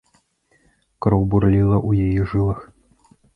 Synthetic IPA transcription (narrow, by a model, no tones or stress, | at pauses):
kɾɔwbuɾlʲilˠɐʔujajiʐɨlˠɐx